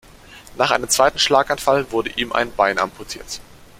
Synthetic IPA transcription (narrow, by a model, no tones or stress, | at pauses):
naːχʔa̰ɪnəmt͡sv̥aɪtn̩ʃlaːkanfalvʊɐdəʔiːmʔa̰ɪnbaɪnʔa̰mpʰɔtʰiːɐt